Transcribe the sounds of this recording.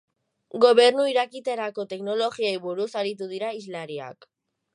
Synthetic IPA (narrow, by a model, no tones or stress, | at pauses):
ɡo̞βe̞ɾnuiɾakit̪eɾako̞t̪e̞kno̞lo̞ɣiejβuɾusaɾit̪̬uð̞iɾaizlaɾia̰k